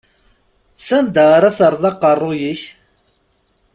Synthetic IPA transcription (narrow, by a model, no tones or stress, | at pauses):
sænd̪əʁaɾaθəɾˤðˤɑqːərˤːʊjiç